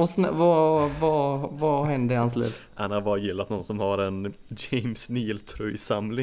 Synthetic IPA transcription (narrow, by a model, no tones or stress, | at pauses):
ɔsn̰vavavaɦɛnd̪əɾɪhans̬lḭːvʔanhaɾbɑːɾajɪlːat̪nɔnsɔmhaɾɛn | d͡ʒɛɪmsniːlt̪ʰɾɔjsamlɪ